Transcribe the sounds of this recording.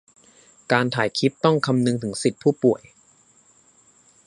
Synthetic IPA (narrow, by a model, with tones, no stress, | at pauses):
kaː˧nt̪ʰaː˨˩˦jkʰi˦˥p̚t̪ɔ˥˩ŋkʰa˧mnɯ˧ŋt̪ʰɯ˩˦ŋsi˨˩t̪̚pʰuː˥˩pu˨˩əj